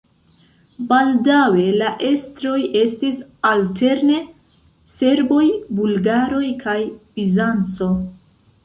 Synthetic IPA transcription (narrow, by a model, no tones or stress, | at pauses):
baldawe̞laʔe̞stɾo̞je̞stisaltʰe̞ɾne̞ | se̞ɾbo̞jbulɡaɾo̞jkʰajbizant͡so̞